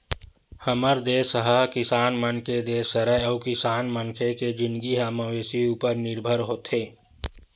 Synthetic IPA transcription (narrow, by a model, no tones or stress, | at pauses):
həməɾd̪eːsəɦəɦkɪsaːnmənkʰed̪eːsəɾəɔːkɪsaːnmənkʰeked͡ʒɪnɡiɦamaʋeːsiuːpəɾnɪɾbʱəɾɦoːt̪ʰeː